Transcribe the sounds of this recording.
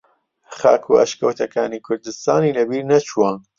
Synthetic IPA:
χɑ̰ːkʰuɐ̰ʃkɐwt̪ʰɐkʰaːniːkʰʊɾd̪ɨst̪aːniːlɐbiːɾnɐt͡ʃʰuaːn

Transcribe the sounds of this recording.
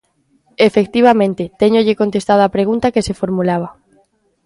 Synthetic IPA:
efekt̪iβ̞amẽnt̪et̪eɲoʎekont̪est̪aðoapɾeɣ̞unt̪akesefoɾmulaβ̞a

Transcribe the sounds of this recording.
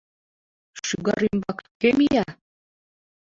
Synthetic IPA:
ʃyɣɑɾymbɑkkemijɑ

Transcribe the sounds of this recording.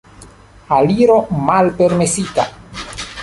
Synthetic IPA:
aliɾo̞malpe̞ɾme̞sita

